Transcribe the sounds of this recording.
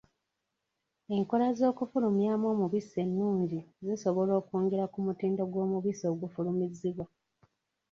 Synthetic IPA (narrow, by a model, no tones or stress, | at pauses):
e̞ŋko̞lazo̞ːkufulumjamo̞ːmuβise̞nːuːɲɟiziso̞βo̞lo̞ːkuːŋɡeɾakumutiːndo̞ɡwo̞ːmuβiso̞ːɡufulumiziβwa